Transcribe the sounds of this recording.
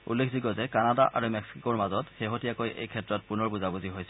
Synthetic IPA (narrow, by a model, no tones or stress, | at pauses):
ṵlːekʰdiɡɔzɛkanadaʔa̰ɹumɛksikoɹmazɔtxeɦotijakojʔḛjkʰɛtɹɔt̚punɔɹbuzabuziɦojsɛ